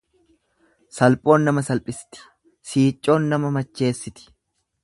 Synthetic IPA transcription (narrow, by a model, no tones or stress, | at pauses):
sɐlpʼo̞ːnːɐmɐsɐlpʼɪsɪ̥t̪ɪ̥ | siːt͡ʃʼːo̞ːnːɐmɐmɐt͡ʃːe̞ːsːɪt̪ɪ̥